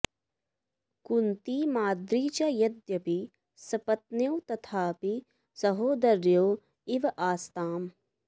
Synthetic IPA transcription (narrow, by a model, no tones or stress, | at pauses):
kunt̪iːmaːd̪ɾiːt͡ʃɐjɐd̪jɐpi | sɐpɐt̪̚newt̪ɐt̪ʰaːpi | sɐɦoːd̪ɐɾjoː | iʋɐʔaːst̪aːm